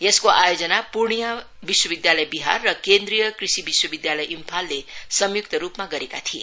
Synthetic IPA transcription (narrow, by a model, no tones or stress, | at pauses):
eskoʔajod͡zʌnapurɳija | biswʌbid̪jalʌjbiɦa̰rːʌkend̪rijʌkrisibiswʌbid̪jalʌjʔimpʰalːesʌmjuk̚t̪ʌɾupmaɡʌɾekat̪ʰiḛ